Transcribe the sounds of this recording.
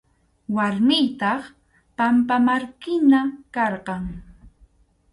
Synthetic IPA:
waɾmɪjt̪ɑχ | pampamaɾkɪnakɑɾqɑŋ

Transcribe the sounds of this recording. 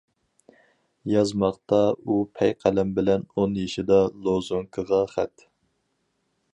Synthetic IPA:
jɑzmɑqt̪ɑupʰɛjqʰælɛmbɪlɛnonjeʃɪd̪ɑlˠozuŋkʰəʁɑχæt̪

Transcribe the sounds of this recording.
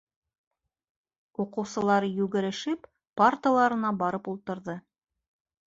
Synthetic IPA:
uqɤ̆wsɤ̆lˠɑɾɤjʉɡɘ̆ɾɘ̆ʃɘp | part̪əlˠɑɾɤ̆nɑbɑɾɤpulˠt̪ɤ̆ɾðɤ

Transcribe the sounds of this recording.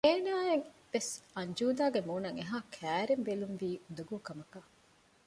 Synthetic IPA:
eːnaːeŋʋesɐɲd͡ʒuːd̪aːɡemuːnɐŋeɦaːkʰæːɾembelumʋiːund̪uɡuːkɐmɐkɐ

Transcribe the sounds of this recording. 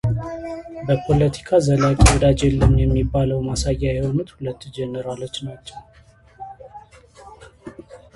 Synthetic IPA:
bəpʰo̞lət̪ʰi̥kʰazəlakʼiwɔd̪ad͡ʒelːəmjɛmːibːaləwmasajːajɛho̞nut̪hulət̪ːd͡ʒɛnəɾalo̞t͡ʃːnat͡ʃːɛw

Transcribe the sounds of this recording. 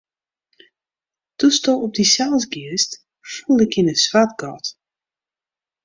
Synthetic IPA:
d̥ustoɔp̚disɛlˠsɡiəst | fulˠɪkɪnəswatɡɔt

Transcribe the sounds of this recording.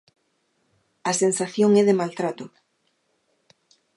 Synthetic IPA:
asensaθjoŋɛðemalt̪ɾat̪ʊ

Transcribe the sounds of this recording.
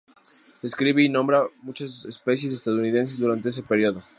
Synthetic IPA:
deskɾiβeinõ̞mbɾamut͡ʃasespe̞sje̞s̬est̪aðouniðe̞ns̬ezðuɾant̪e̞esepeɾjoðo̞

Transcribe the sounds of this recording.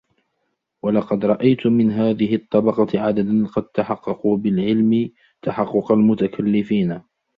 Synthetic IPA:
wɑlɑqɑd̪ɾˤɑʔajt̪ʊmːɪnɦaːðɪɦɪt̪ˤːɑbɑqɑʕad̪ad̪anqɑd̪̚t̪aħɑqːɑquːbɪlʕɪlmɪ | t̪aħɑqːʊqɑlmʊt̪akʰalːɪfiːna

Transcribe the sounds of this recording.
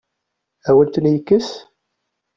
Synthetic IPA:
æwənt̪ənjəkːəs

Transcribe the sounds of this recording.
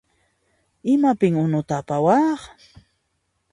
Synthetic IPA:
ɪmapɪŋʊnʊt̪aːpawɑːχ

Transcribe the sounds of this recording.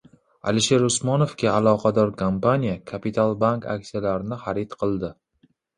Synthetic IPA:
a̰lɪʃeɾʊsmɒnofkʲaalˠɒqʰɑd̪ɒɾkʰampanijakʰapit̪ʰalˠbankʰa̰k̚ʲsijalaɾɪnɪχaɾit̪qʰɨlˠd̪ɪ

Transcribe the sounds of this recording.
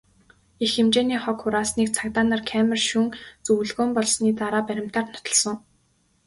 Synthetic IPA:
ixemt͡ɕeːniːχɔkːʊɾaːsniːk̚t͡sʰakt̪aːnarkʰæmʲɪ̆rʃuŋt͡sɵwɮɣoːmpɔɮsniːt̪aɾaːpæɾʲɪ̆m̥t̪aːrnʊ̥t̪ɞ̆ɮsɞ̆ŋ

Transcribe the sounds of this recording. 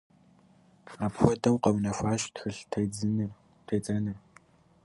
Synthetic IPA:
aːpxʷɔtʰʼɐwqɐwnɐfʷaːʃtxɨɬtʰɐd͡zɨnɨr | tʰɐjt͡sʼɐnɨr

